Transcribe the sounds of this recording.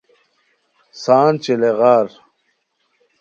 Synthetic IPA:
saːnt͡ɕeleɣaːɾ

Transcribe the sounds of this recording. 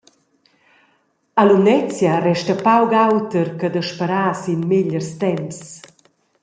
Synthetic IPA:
alunɛt͡sjarɛʃtəpawɡawt̪əɾkəd̪əʃpəɾaːsinmeʎərst̪ɛms

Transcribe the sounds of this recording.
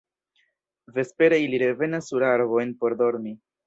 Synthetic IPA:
ve̞spe̞ɾeiliɾevenesuɾaɾvojnpo̞ɾd̪oɾmi

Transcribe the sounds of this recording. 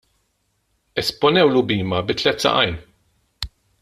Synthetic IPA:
ɛspɔnɛwlʊbiːmɐbɪt̪ːlɛt̪ːsɐ̰ʔɐjn

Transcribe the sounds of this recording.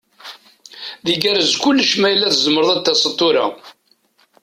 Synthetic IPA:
ðiɡæɾəzkʊlːʃmæjəlːæθəzəməɾðˤæt̪ːæsət̪ˤːʊɾa̰

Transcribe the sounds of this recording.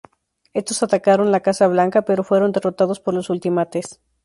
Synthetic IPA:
e̞st̪o̞sat̪akaɾo̞nlakasaβ̞laŋkape̞ɾo̞fwe̞ɾo̞nd̪e̞ro̞t̪aðo̞spo̞ɾlosult̪imat̪e̞s

